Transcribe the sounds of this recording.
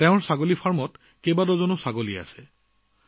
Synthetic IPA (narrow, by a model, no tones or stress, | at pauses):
teʊ̃ɹsaɡolipʰaɹmɔt | kejbadɔzɔnʊsaɡolia̰sɛ